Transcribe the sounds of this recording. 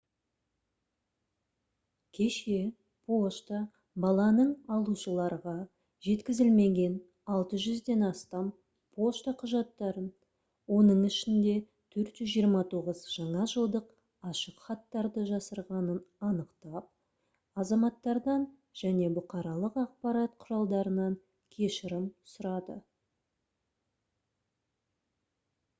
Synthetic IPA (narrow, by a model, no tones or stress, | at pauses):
kʲʰe̞ʃe̞ | pʰo̞ʃt̪ə | bɑlˠɑnəɴɑlˠuʃəlˠɑɾʁɑ | ʒe̞t̪kʲɪzɪlme̞ɡʲe̞n | ɑlˠt̪əʒʏzd̪e̞nɑst̪ɑm | pʰo̞ʃt̪əqʰʊʒɑt̪ːɑɾən | wo̞nəɴɪʃɪnd̪e̞ | t̪ʰɵɾt̪ʒʏzʒijəɾmɑt̪ʰoʁəzʒ̥ɑɴɑʒəlˠd̪əq | ɑʃəqχɑt̪ːɑɾd̪əʒɑsəɾʁɑnənɑnəqt̪ɑp̚ | ɑzɑmɑt̪ːɑɾd̪ɑn | ʒ̥æne̞bʊqɑɾɑlˠəqɑq̚pɑɾɑt̪̚qʰʊɾɑlˠd̪ɑɾənɑŋ | kʲʰe̞ʃɪɾɪmsʊɾɑd̪ə̰